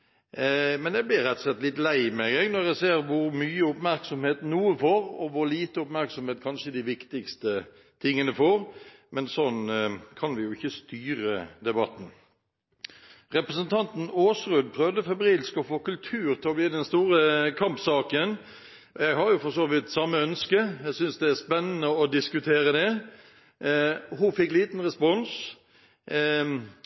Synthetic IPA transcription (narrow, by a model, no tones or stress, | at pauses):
mɛnjɛɡ̚blɪɾɾɛt̪ːɔ̥slɛt̪ːlɪt̪læɪmɛɡɛɡnɔɾjɛɡseːɾʋʊɾmyːəʊpmæɾksɔmheːt̪nuːəfoːɾɔʋʊɾliːt̪əʊpmæɾksɔmheːt̪̚kʰɑnʂəd̪ɪʋɪkt̪ɪkst̪ə | t̪ʰɪŋːənəfoːɾmɛnsɔnkʰɑnʋɪjʊɪçːəst̪yːɾəd̪ɛbɑt̪n̩ | ʁɛpɾəsənt̪ʰɑnt̪n̩oːsʁʉd̪pʰɾœʋd̪əfɛbɾiːlskɔfoːkʉlt̪ʰʉːɾt̪ʰɪlɔbliːd̪ɛnst̪uːʁəkʰɑmpsɑːkən | jæɡhɑɾjʊfɔsoːʋɪt̪ːsɑmːəœnskəjæsʏnsd̪ɛæspɛnːənəɔd̪ɪskʉt̪ʰeːɾəd̪ɛ | ɦʊfɪkːliːt̪nʁɛspɔns